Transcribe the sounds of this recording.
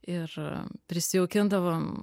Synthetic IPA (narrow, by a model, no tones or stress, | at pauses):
ɪrpʲɾʲɪsʲɪoːkʲɪnd̪ɐʋom